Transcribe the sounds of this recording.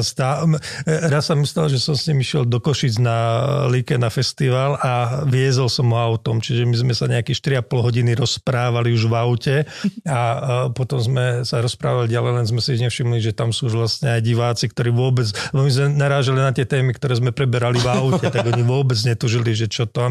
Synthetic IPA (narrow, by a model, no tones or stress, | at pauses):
st̪a | ɾassamist̪alʒɛsɔmsɲimiʃɪɛld̪ɔkɔʃiːd͡znalikɛnafɛst̪iʋalaʋɪɛzɛlsɔmɔaʊt̪ɔmt͡ʃiʒɛmizmɛsaɲɛakiʃt̪iɾiapɔlɦɔɟiniɾɔspɾaːʋaliuʒʋaʊcɛapɔt̪ɔmzmɛsaɾɔspɾa̰ːʋaliɟalɛjlɛnzmɛsiɲɛfʃimliʒɛt̪amsuːʒʋlastɲɛajɟiʋaːt͡sikt̪ɔɾiːʋʊɔbɛd͡zɛbɔmizmɛnaɾaːʒalinat̪ɪɛt̪ɛːmikt̪ɔɾɛːzmɛpɾɛbɛɾalivaʊcɛt̪aɡɔɡɲiʋʊɔbɛd͡zɲɛt̪uʒiliʒɛt͡ʃɔt̪ɔ